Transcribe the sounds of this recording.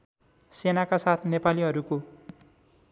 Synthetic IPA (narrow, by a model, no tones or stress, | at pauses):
senakasat̪ʰnepaliɦʌɾuko